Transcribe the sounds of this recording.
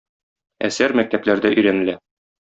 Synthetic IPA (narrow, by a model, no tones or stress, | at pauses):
æsæɾmæk̚t̪æplæɾd̪æʔɵ̆jɾænɘ̆læ